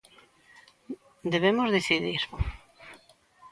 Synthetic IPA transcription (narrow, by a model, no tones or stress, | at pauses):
d̪eβemozðeθiðiɾ